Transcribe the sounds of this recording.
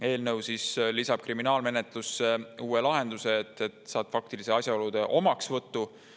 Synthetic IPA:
e̞ːlnɤwsislisɑb̥̚kriminɑːlme̞ne̞t̪ˑlusːeuːelɑɦe̞nd̪̥use̞ːt̪ːˑet̪ˑsɑːt̪fɑk̚t̪ilise̞ɑsʲjɑo̞lud̪̥e̞ʔo̞mɑksvɤt̪ːu

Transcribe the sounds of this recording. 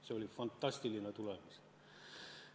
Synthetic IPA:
seolifɑnt̪ːɑst̪ilinɑt̪ulemis

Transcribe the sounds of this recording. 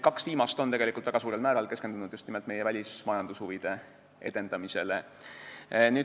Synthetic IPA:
kɑksviːmɑst̪ot̪e̞ɡe̞likːˑult̪væɡ̥ɑs̬uːɾelmæːɾɑlke̞skend̪unud̪̥just̪nimelt̪ˑme̞jevælʲismɑjɑnd̪̥ushuvid̪̥e̞ | e̞̰d̪̥e̞nd̪ɑmise̞le | nyː

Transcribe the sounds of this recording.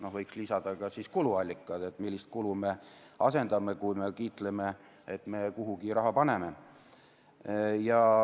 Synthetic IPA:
no̞hvɤjkslisɑd̪̥ɑkɑsiskuluɑlʲːikːˑɑt̪et̪ːmilːist̪̚kulume̞ | ɑse̞nd̪ɑmekujme̞kiːt̪le̞me̞ | et̪ːme̞kuɦuɡiɾɑɦɑpɑne̞me̞ | jɑ

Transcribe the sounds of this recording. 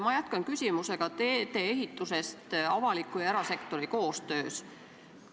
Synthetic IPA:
mɑjæt̪kɑnkysʲimuse̞ɡ̥ɑt̪eːt̪e̞ːeɦit̪ːˑuse̞st̪ɑvɑlikːˑujɑeɾɑse̞kt̪o̞ɾiko̞ːst̪ø̞ːs

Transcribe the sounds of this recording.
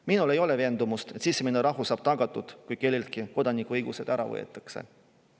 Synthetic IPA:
minule̞jo̞le̞ve̞ːnd̪̥umust̪et̪sisːeminuɾɑɦusɑːb̥̚t̪ɑɡ̥ɑt̪ːˑud̪̥kujke̞lʲːelt̪̚kiko̞d̪̥ɑnikuɤjɡ̥use̞d̪̥æɾɑ̰vɤ̰jḛt̪ːˑɑ̥kse̞̰

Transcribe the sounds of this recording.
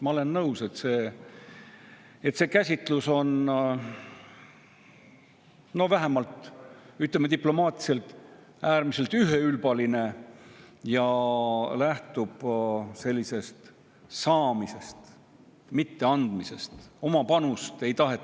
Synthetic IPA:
mɑo̞le̞nːɤwse̞t̪se̞ː | et̪ːse̞ːkæsʲit̪ˑluso̞n | no̞væɦemɑlt̪yt̪lemːet̪iplo̞mɑːt̪ˑi̥se̞lt̪ːˑ | æːɾmise̞lt̪ˑyɦe̞ylb̥ɑline̞ | jɑ | læht̪ub̥se̞lʲːise̞st̪ | sɑːmise̞st̪ | mit̪ːe̞ɑnd̪mise̞st̪o̞mɑpɑnust̪e̞jt̪ɑɦe̞

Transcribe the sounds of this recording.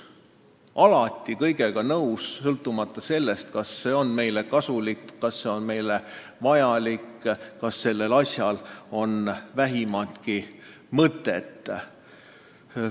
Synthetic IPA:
ʔɑlɑt̪ʲːˑikɤjɡe̞ɡ̥ɑnɤwssɤlt̪ːˑumɑt̪ːˑɑse̞lːe̞st̪kɑsːe̞ːo̞nme̞jle̞kɑsulikːkɑsːe̞o̞nme̞jlevɑjɑlikːkɑsːe̞lːe̞lɑsʲjɑlo̞nvæɦimɑt̪ki | mɤt̪ːˑe̞t̪ː

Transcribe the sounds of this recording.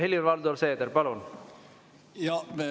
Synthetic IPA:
ɦelʲiɾʋɑld̪oɾseːd̪eɾpɑlun | jɑ

